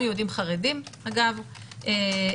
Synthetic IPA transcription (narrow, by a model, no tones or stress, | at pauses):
jod̪imχaʁedimaɡav | e